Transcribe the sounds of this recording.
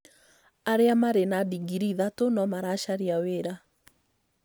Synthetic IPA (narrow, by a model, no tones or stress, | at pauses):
aɾeamaɾenadiɡiɾiðatonɔmaɾaʃaɾiaweɾa